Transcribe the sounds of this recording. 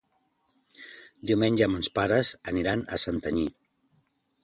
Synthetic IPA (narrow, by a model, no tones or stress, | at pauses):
d̪iwmenʲʒəːmənspaɾəzəniɾanə̰sənt̪əɲi